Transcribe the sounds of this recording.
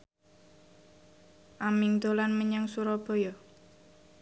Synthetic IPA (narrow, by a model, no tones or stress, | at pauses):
ʔamiŋd̪̥o̤lanməɲaŋsuɾɔb̥o̤jɔ